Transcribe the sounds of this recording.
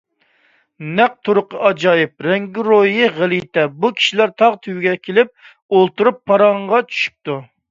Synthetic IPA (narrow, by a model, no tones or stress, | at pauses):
næq̚t̪ʰuɾʊqəɑd͡ʒɑjɪp̚ɾɛŋɡʲiɾojɪʁɪlit̪ɛbukʲʰi̥ʃilæɾt̪ʰɑʁt̪ʰywɪɡʲɛkʲʰelɪp̚ | olˠt̪uɾupʰːɑɾɑɴʁɑt͡ʃʰy̥ʃy̥p̚t̪u